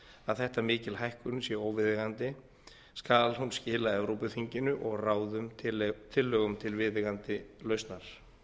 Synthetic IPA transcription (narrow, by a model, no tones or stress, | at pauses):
aðθɛht̪amɪːcɪlɦajhkʏnsjɛoːwvɪðɪɣant̪ɪ | skalhunscɪːlaɛvɾowpʏθiɲcɪnʏʔɔɣraːwðʏmt̪ʰɪlːœːɣʏmt̪ʰɪlvɪðɪɣant̪ɪlœɥst̪naɾ̥